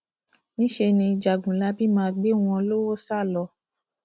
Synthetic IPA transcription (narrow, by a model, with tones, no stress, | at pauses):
nĩ˦ʃe˧nĩ˧d͡ʒa˨ɡũ˨la˧˦bi˦mãː˧ɡ͡be˦w̃ɔ̃˧o˧lo˦wo˦sa˦˨lɔ˧